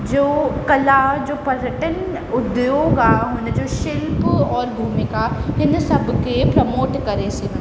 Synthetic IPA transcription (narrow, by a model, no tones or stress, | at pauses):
d͡ʒoːkɐlad͡ʒoːpɐɾəʈən | ʊd̪joːɡaɦʊned͡ʒoːʃɪlpɔːɾbʱuːmɪkaɦɪnsɐbkepɾɐmoːʈkɐɾesi